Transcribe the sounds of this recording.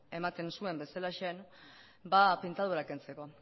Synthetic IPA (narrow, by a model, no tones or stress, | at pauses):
e̞mat̪e̞nsue̞mbe̞salaʃen | bapint̪aðuɾake̞nt͡se̞ko̞